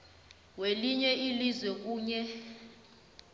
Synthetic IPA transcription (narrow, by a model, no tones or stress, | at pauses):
weliɲɛʔilizwɛk̬uːɲɛ